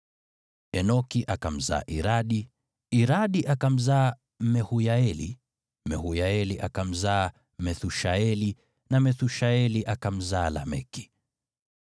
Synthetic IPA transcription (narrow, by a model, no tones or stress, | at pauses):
ɛnɔkiʔakam̩za̰ːʔiɾaɗi | iɾaɗiʔakam̩zaː | mɛhujaɛlḭ | mɛhujaɛliʔakam̩zaː | mɛθuʃaɛli | namɛθuʃaɛliʔakam̩zaːla̰mɛ̰ki̥